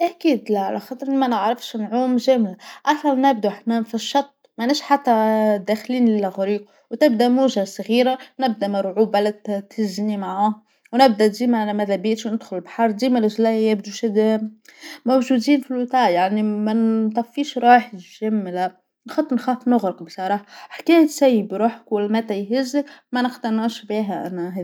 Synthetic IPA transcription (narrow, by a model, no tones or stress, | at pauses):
ʔækiːd̪læʕa̰læxɑːt̪ˤɾʔnmænəʕɾɑfʃnʕuːmʒæmlaʔɑsˤɑlnæb̚d̪uʔaħnæfiʃːɑt̪ˤːmanæːʃħat̪ːæd̪æːxliːnlɪlːæɣʊɾiːq | wt̪ɪbd̪æmuːʒasˤɣiːɾanɪb̚d̪æmɑɾˤʕuːbalæt̪ʰɪznimaʕaː | wnɪb̚d̪æʔd̪iːmælæmæðæbiːt̪ʃwnɪd̪xʊlbħɑɾˤd̪iːmælɪʒlæjæbd̪uʃd̪ | mowʒuːd̪iːnfilwɪt̪ˤɑːjaʕnimænt̪ˤɑfːiːʃɾˤɑːħʒɪmːlæ | nxɑt̪ˤːnxæːfnʊɣɾɑqbsˤɑɾˤɑːħaħkæːjt̪sæjːəbɾuːħə̥kwɪlmæt̪æjɦɪzːəkmænəqt̪ænæʃbiːɦæʔæ̰næɦæː